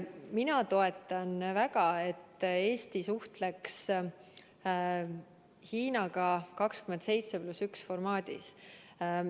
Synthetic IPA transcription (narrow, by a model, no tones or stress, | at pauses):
minɑt̪o̞e̞t̪ːˑɑnvæɡɑe̞t̪ːˑe̞ːst̪isuht̪le̞ks | hiːnɑɡ̥ɑkɑkskyment̪se̞jt̪seplusyksfo̞rmɑːd̪̥ḭs